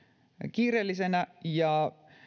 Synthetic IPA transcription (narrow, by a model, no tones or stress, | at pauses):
kiːreːlːisenæjɑ